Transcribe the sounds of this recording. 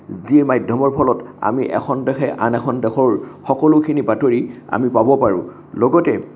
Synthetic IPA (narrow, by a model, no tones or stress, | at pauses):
ziɹmajdʱɔmɔɹpʰɔlɔta̰miʔɛ̰xʰɔndɛxʰɛʔa̰nɛkʰɔndɛxɔɹxɔkɔlʊkʰinibatoɹia̰mipabɔpaɹʊ̰̃ | lɔɡɔtɛ